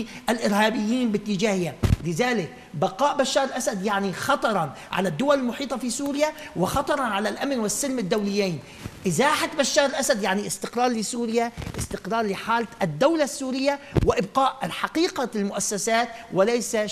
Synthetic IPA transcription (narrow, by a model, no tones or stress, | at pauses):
ʔalʔɪɾhaːbɪjːiːnbɪt̪ːɪd͡ʒaːhɪjalɪðaːlɪk̚ | baqɑːʔbaʃːɑːɾˤlʔasad̪jaʕnixɑt̪ˤɑɾˤɑn | ʕa̰lad̪ːʊwalɪlmʊħiːt̪ˤɑfisuːɾɪjawɪxɑt̪ˤɑɾˤɑʕalalʔamnwɪsːɪlmɪd̪ːawlɪjːaːn | ʔɪzaːħat̪baʃːɑːɾˤlʔasad̪jaʕniʔɪst̪ɪqɾɑːɾˤlɪsuːɾɪjaʔɪst̪ɪqɾɑːɾˤlɪħaːld̪ːawlasːuːɾɪjːawɪʔɪbqɑːʔħaqiːqalmʊʔasːasaːt̪wɪlajsa